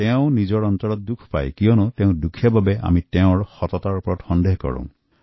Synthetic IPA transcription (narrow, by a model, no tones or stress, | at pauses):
teʊ̃nizɔɹɔnt̪ɔɹɔt̚dukʰpa̰jkijɔnɔteʊ̃dukʰiababɛa̰miteʊ̃ɹxɔtɔtaɹupɔɹɔtxɔndeɦkɔ̰ɹṵ̃